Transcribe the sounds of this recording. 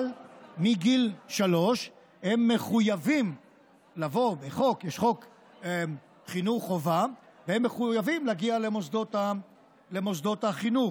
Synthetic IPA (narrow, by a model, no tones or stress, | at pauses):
lmiɡilʃalo̞ʃ | he̞mːe̞χujavim | lavo̞beχo̞kjɛʃχo̞k | e | χinuχova | vehemːeχujavimlaɡialemosd̪ot̪a | le̞mo̞sd̪o̞t̪aχinuχ